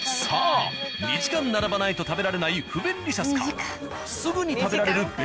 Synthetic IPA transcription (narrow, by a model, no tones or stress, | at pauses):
saːɲʲiʑikãnnaɾabanait̪o̞t̪abe̞ɾaɾe̞naiɸɯ̟bẽ̞nɾʲiɕasɨ̥kḁ | sɨɡɯɲ̟it̪abe̞ɾaɾe̞ɾɯ̟b